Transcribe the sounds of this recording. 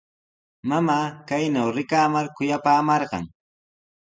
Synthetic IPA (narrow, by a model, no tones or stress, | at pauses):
mamaːkajnawɾɪkaːmaɾkʊjapaːmɑɾɢɑ̰ŋ